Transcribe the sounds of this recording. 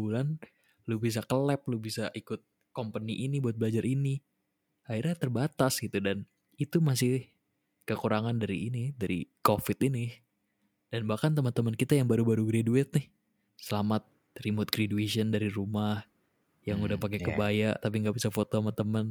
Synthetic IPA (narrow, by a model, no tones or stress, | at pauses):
ulan | lubis̬akəlɛp̚lubisaʔikʊt̪̚ | kompəniʔinibuat̪̚bəlad͡ʒaɾʔini | airɲat̪ərbat̪asɡit̪udan | it̪umas̬ɪh | kəkuɾaŋandaɾiːnidaɾḭkofɪt̪inɪ | d̥anbahkant̪əmənt̪əmənkit̪ajaŋbaɾubaɾuɡɾeduɪt̪̚nɪh | səlamat̪̚ | ɾimot̪̚ɡɾedueʃəndaɾiɾumah | jaŋudahpak̬ekəbajaʔt̪ap̬iŋɡaʔbisafot̪omat̪əmən